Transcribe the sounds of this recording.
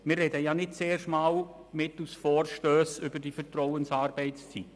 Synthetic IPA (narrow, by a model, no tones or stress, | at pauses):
mɪːrɛdəjanɪt̚t͡seːrʃmɑːl | mɪtusfɔːrʃtøːsʏbəɾdifəɾtrɔʊənsɑːɾb̥ɛɪtst͡sit